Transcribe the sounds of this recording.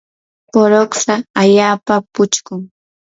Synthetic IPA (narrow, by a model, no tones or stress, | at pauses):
poɾoksaaʎaːpapʊt͡ʃkʊŋ